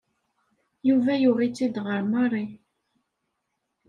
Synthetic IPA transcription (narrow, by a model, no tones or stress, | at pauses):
juvæjuʁit͡sːid̪ʁəɾmɑɾˤi